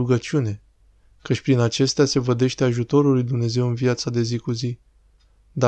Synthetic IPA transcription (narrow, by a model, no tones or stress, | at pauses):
uɡət͡ʃiune̞ | kət͡ʃʲpɾinat͡ʃe̞st̪ease̞vəd̪e̞ʃt̪eaʒut̪o̞ɾulːujd̪umne̞ze̞wɨnvijat̪sad̪e̞zikuzi | d̪a